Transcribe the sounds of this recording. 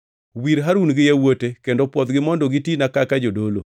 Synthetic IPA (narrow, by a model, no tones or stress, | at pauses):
wiɾɦaɾunɡɪjewotekendopwɔd̪ɡɪmɔndɔɡɪtinakakad͡ʒodolo̰